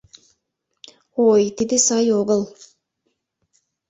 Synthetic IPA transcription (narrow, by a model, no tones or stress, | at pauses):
ojt̪id̪isɑjoɡəlˠ